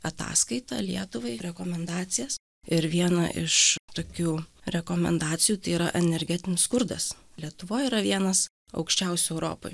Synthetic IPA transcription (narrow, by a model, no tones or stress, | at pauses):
ɐt̪ɑ̰ːskɐɪt̪ɑ̰lʲiɛt̪ʊʋɐɪɾʲɛkoːmʲɛnd̪ɑːt̪sʲɪjɛs | ɪɾʋʲiɛnɐ̰ʔɪʃt̪oːkʲuːɾʲɛkoːmʲɛ̰nd̪ɑːt̪sʲɪjuːt̪ɐɪiːɾɐʔɛnʲɛɾʲɡʲɛt̪ʲɪnʲɪsskʊɾd̪ɐs | lʲiɛt̪ʊʋoːjiːɾɐʋʲiɛnɐs | ɐ̰ʊkʃʲt͡ʃʲɛˑʊsʲʊɛʊɾo̰ːpo̰j